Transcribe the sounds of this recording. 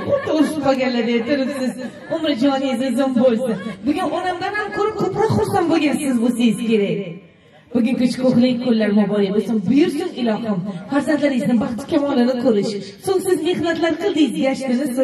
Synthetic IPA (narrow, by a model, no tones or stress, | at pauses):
ot̪ʊɾʃɪmaɡʲanlad̪et̪ʰɪɾɪpsɪz | ʊmɾɪd͡ʒɒnɪzɪzombolˠsɪbʊɡʲanɒnamd̪anhamkʰɵɾɪp̚qʰot̪qɑχosamboɡʲansɪzbosejɪzkʲʰe̞ɾaj | b̥ʊɡʲɪŋkʲʊt͡ʃʰkʰoχlɪk̚ʲkʰolːaɾmabɒɾɪbosɪŋbʊjʊɾd̪ɪnɪlˠɒhɪmfaɾzant̪laɾɪznɪbaχt͡ʃʰɪ̥kʲʰamɒlˠɪnɪqʰoɾɪʃ | soŋsɪzmehnat̪laɾqʰɨlˠd̪ɪzjaʃt̪ɪnɪs